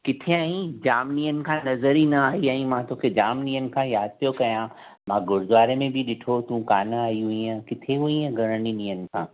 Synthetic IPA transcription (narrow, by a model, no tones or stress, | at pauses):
kɪt̪ʰeaːĩd͡ʒaːmnijənkʰãnɐzəɾinɐaːiaːĩmãt̪oːked͡ʒaːmnijənkʰãjaːd̪̚pjokɐjãː | mãːɡʊɾd̪ʋaːɾẽmẽbʱiɗɪʈʰot̪ũkaːnɐaːiɦuiãːkɪt̪ʰeɦuiɛ̃ɡʱɐɾəɽinijənkʰãː